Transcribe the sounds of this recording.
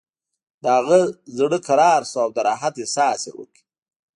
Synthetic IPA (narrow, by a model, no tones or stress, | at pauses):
d̪əhaɣəzɽəkaɾɑːɾsoawd̪əɾɑːɦat̪jesɑːsḛwə̰ki̥